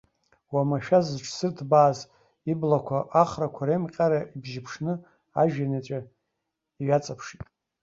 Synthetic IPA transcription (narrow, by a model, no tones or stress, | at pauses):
wamaʃᶣazzʈ͡ʂʰsɨrtʰbaːz | iblakʷʰaʔaχrakʷʰaɾemqʲʼaɾaʔibʒɪpʰʂnɨ | aʒᶣanat͡ʃʷʼa | iɥat͡sʼapʰʂitʼ